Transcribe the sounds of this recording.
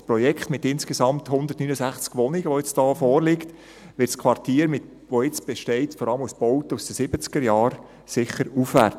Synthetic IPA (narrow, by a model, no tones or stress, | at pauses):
spɾɔjɛkχtmɪtɪnskesɑmthʊnd̪ərtnyːnəsæχt͡skʋɔnɪɡəʋoɪt͡sd̥ɑːfɔːɾlɪkt | ʋɪtskʰʋɑrtiːɾmɪt | ʋoɪt͡sb̥ɛʃtɛɪtfɔɾɑləmusb̥ɔʊt̪əusd̥əsɪb̥ət͡sɡ̥əɾjɑːɾ | sɪχəɾufʋæɾt